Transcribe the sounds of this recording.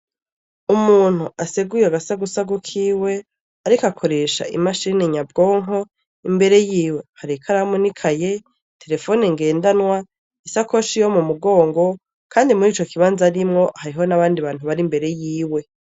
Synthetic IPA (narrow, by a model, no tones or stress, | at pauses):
umuːn̥huʔaseɡujeaɡasaɡusaɡukʰiːwe̞ | aɾikakʰo̞ɾe̞ʃa̰ʔḭmaʃiːneɲab̚ɡoːŋo̞ | imbe̞ɾe̞jiːwe̞haɾikʰaɾamunikʰaje | tʰe̞ɾe̞fo̞neŋɡe̞ːndanwa | isakoʃijo̞mumuɡo̞ːŋɡo̞ | kʰaːndimuɾiːt͡ʃo̞kiβaːnzaɾimŋo̞haɾiɦo̞naβaːndiβaːn̥uβaɾimbe̞ɾe̞jiːwe̞